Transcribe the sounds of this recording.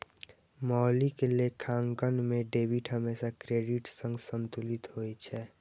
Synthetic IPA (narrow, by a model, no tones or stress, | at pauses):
mɔɦlikelekʰaːŋkənmẽɖeːbiʈɦəmeːsakɾeːɖiʈsə̃ŋɡsənt̪ulit̪ɦojt͡ʃʰɛ